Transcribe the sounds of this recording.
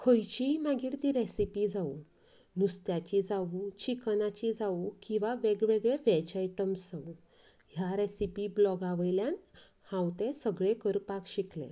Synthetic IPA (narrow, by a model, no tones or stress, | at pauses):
kʰəjt͡ɕimaɡiːɽt̪iɾesipid͡zau | nust̪jat͡ɕid͡zaut͡ɕiknat͡ɕid͡zaukĩw̃ʋaʋeɡʋeɡɭeʋɛt͡ɕaiʈəmsd͡zau | ɦjaɾesipiblɔɡaʋəjljãn | hãwt̪esəɡɭekəɾpakɕiklḛ